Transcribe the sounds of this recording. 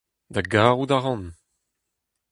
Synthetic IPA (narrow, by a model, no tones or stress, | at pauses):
d̪aɡaːʁud̪aʁɑ̃n